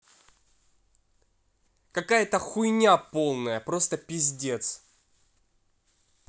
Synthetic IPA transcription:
kɐkajət̪əxʊjnʲapo̞lˠnəjəpɾo̞st̪əpʲɪzʲdʲe̞t̪s

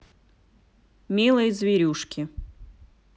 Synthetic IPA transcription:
mʲilˠɨjzvʲɪɾʲuʂkʲɪ

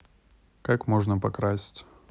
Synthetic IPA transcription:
kakmoʐnəpɐkɾasʲtʲ

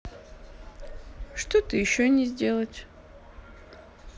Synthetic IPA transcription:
ʂt̪ot̪ɨjɪɕːonʲɪzʲdʲe̞lˠətʲ

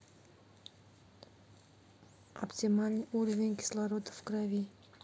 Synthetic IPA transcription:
ɐ̰ptʲimalʲnɨʔuɾəvʲɪnʲkʲɪ̥slˠaɾod̪əfkɾavʲi

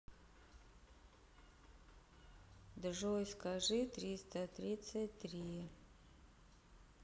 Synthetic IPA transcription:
d̪ʐojskɐʐɨt̪ɾʲist̪ət̪ɾʲit̪sətʲt̪ɾʲi

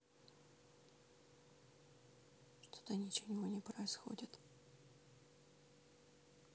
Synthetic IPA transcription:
ʂt̪ʰo̥t̪ənʲɪt͡ɕɪnʲɪvonʲɪpɾəɪsxo̰dʲɪt̪

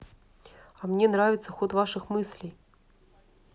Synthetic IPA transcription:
ɐmnʲenɾavʲɪt̪səxot̪vaʂɨxmɨsʲlʲɪj

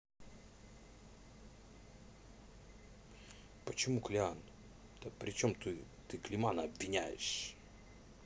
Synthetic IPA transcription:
pət͡ɕɪmuklʲɪan | t̪əpɾʲɪt͡ɕo̞mt̪ɨ | t̪ɨklʲɪmanəɐbvʲɪnʲæjɪ̰ʂ

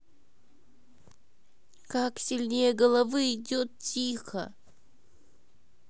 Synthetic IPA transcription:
kaksʲilʲnʲejəɡəlˠɐvɨɪdʲot̪̚tʲixə̰

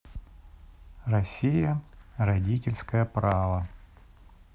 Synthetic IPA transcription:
rɐsʲijərɐdʲitʲɪlʲskəjəpɾavə

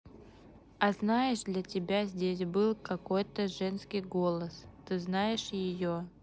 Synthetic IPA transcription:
ɐznajɪʂd̪lʲɐtʲɪbʲazʲdʲesʲbɨlˠkɐkojt̪əʐɛnskʲɪjɡolˠəst̪ɨznajɪʂjɪjo

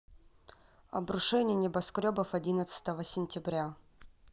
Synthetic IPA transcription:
ɐ̰bɾʊʂɛnʲɪjənʲɪbɐskɾʲobəfɐdʲinət̪sə̥t̪əvəsʲɪnʲtʲɪbɾʲa

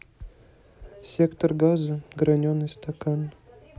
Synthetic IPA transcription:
sʲekt̪orɡɑzɨɡɾɐnʲonːəsʲt̪ɐkɑn

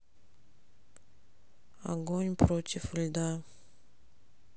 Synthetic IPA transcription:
ɐ̰ɡonʲpɾotʲɪfɨlʲd̪a

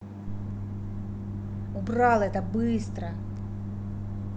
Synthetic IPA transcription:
ʊbrɑlˠɛt̪əbɨst̪ɾə

